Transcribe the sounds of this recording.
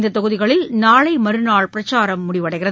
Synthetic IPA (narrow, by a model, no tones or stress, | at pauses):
nd̪ɐt̪ɐɣɯðɪɣɐɭɪlnaːɭɐɪmɐɾɯnaːɭpɪɾɐt͡ʃːaːɾɐmːʊɽɪʋɐɽɐɪɣɪrɐ